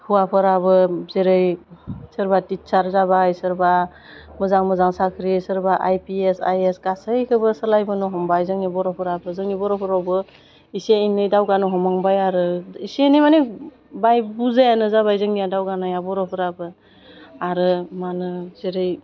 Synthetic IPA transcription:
huwapʰɯɾabɯzeɾɯjsɯɾbatit̚saɾzabajsɯɾba | mɯzaŋmɯzaŋsakʰɾisɯɾbaʔajpiesa̰jesɡasɯjkʰɯbɯsɯlajbɯnɔɦɔmbajzɯŋnibɔɾɔpʰɯɾabɯzɯŋnibɔɾɔpʰɯɾawbɯ | iseinɯjdawɡanɔɦɔmaŋbajaɾɯisenimane | bajbuzajanɯzaβajzɯŋnijadawɡanajabɔɾɔpʰɯɾabɯ | aɾɯmanɯzeɾɯj

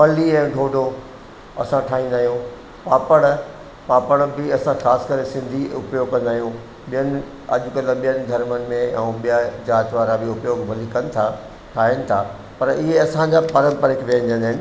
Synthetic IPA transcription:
pɐliɛ̃ːɖʱoːɖʱo | ɐsãʈʰaːɦĩnd̪aːɦijõ | paːpəɽ̃ | paːpəɽ̃bɪɐsãxaːsɪ̥kəɾesɪ̃nd̪ʱiʊpjoːɡ̚kɐ̃nd̪aːɦijũ | ɓijənɪ̆ | ɐ̰ʄʊkɐlə̃ɓijənɪ̆ɡ̪ʱɐɾmənɪ̆mẽɛuɓijad͡ʑaːt̪ʋaːɾabɪʊpjoːɡbʱɐlikɐnɪ̆t̪ʰa | ʈʰaːɦɪnɪ̆t̪ʰaː | pɐɾɪɦeɐsãɲd͡ʑapɐɾə̃mpəɾəkʰʋẽːə̃nɪ̆d͡ʑ̪ɐ̃nd̪aːɦɪnɪ

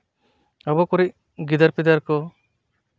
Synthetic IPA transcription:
abɔkɔɾic̚ | ɡid̪aɾpid̪aɾkɔ

